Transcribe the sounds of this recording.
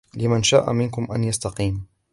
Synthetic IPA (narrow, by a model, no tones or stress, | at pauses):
lɪmanʃa̰ːʔa̰mɪnkʊmʔanjast̪ɑqiːm